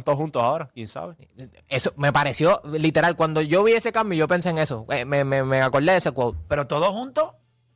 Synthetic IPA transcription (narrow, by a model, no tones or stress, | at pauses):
t̪oohunt̪osao̞ɾakjensa̰βe | esome̞paɾe̞sjo̞lit̪e̞ɾalkwand̪o̞ʝo̞βie̞sekambjoiʝo̞pe̞nseːŋe̞soemememeako̞ɾd̪eesekwowt̪pe̞ɾot̪oðohunt̪o